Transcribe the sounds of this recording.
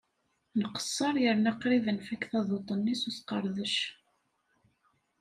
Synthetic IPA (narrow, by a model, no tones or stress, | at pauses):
nəqə̥sˤːɑɾˤjəɾnaqɾiðənfækθɑðˤot̪ˤənːisuθqəɾˤðəʃ